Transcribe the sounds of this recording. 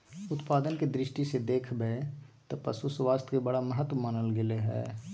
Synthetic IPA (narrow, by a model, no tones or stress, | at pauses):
ʊt̪paːd̪ənked̪ɾɪʃʈised̪eːkʰbet̪ɐpɐsusʋaːst̪ʰkebɐɽaməɦət̪wmaːnəlɡɪleɦɛ̰ː